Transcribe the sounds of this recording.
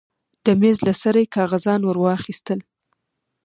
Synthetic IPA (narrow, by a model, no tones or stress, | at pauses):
d̪̥əmezlasaɾajekɑɣazɑnwəɾwɑxist̪əl